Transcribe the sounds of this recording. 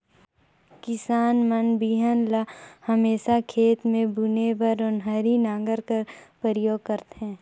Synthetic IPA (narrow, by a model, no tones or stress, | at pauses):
kɪsaːnmənbiːɦənlahɐmeːʃakʰeːt̪mẽbʊnebəɾʊnɦəɾinãːɡəɾkəɾpəɾjoːɡ̚kəɾt̪ɦɛ̃ː